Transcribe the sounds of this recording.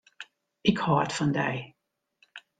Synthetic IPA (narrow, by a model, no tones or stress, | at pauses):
ɪkhɔətfɑndɛ̰j